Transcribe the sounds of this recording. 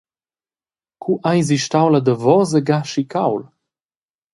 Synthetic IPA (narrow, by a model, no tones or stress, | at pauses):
kʰuʔajziʃtawlad̪əvɔzəɡaʃikawl